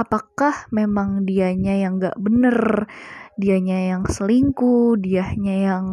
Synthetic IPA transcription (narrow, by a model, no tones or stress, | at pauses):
apakahmemaŋdiaɲajaŋɡa̰ʔbənər | diaɲajaŋsəliŋkudiaɲajaŋ